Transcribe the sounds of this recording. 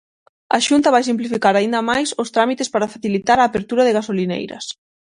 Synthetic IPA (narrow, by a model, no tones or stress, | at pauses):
ɐ̰ʃunt̪ɐβajsimplifikaɾaind̪ɐmajsʊst̪ɾamit̪espaɾafaθilit̪aɾaːpeɾt̪uɾɐðɪɣasolinḛjɾɐ̰s